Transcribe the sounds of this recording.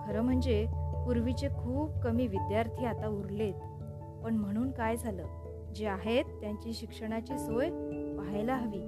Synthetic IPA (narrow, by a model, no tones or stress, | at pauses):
kʰəɾəm̤əɳd͡zepuɾʋit͡ɕekʰuːp̚kəmiːʋid̪jaɾt̪ʰiːat̪auɾlet̪ | pəɳm̤əɽ̃uːnkajd͡zʱaləː | d͡ʑeaɦet̪ːjaɲt͡ɕiːɕikʂəɽ̃at͡ɕiːsojpaɦajlaɦaʋiː